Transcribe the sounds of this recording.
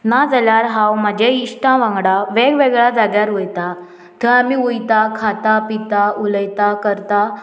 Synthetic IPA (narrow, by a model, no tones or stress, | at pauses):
nad͡zəljaɾɦawmad͡ʑeiɕʈãʋãŋɡɽaʋeɡʋeɡɭad͡zaɡjaɾujt̪a | t̪ʰəamiujt̪akʰat̪apit̪auləjt̪akəɾt̪a